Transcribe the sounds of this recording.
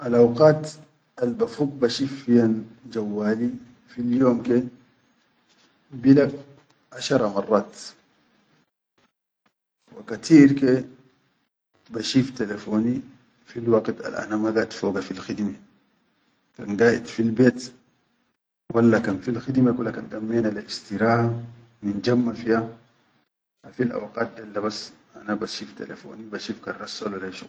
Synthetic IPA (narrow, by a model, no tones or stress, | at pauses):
ʔalʔawqɑːt̪ | albafuːɡ̚baʃifːijand͡ʒawːaːli | filjoːmke | bilaɡ | ʔaʃɑɾˤɑmɑrˤːɑːt̪ | wakat̪ʰiːɾke | baʃiːft̪elefoːni | filwaɡt̪a̰lʔa̰namaɡaːt̪foːɡafilxid̪ma | ka̰nɡaːjḭt̪filbeːt̪ | wʔalːakanfilxid̪makulːakandamːenalist̪iɾaːh | mind͡ʒamːafija | afilʔa̰wqaːt̪̚d̪alːabasʔa̰nabaʃift̪ḛlḛfo̰ːnibaʃiːfkarːasːalwalaʃu